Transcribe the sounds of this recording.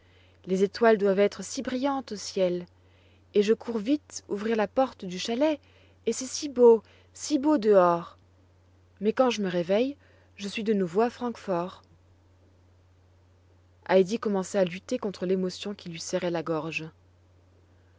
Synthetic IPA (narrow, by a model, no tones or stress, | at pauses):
lezet̪wald̪wavɛt̪χəsibʁijɑ̃t̪osjɛl | eʒəkʰuʁvit̪ṵvʁiʁlapɔʁt̪d̪yʃalɛ | esɛsibo | sibod̪əɔʁ | mɛkɑ̃ʒəməʁevɛj | ʒəsɥid̪ənuvoafχɑ̃kfɔʁ | ajd̪ikɔmɑ̃sɛalyt̪ekɔ̃t̪χəlemɔsjɔ̃kʲilɥisɛʁɛlaɡɔʁʒ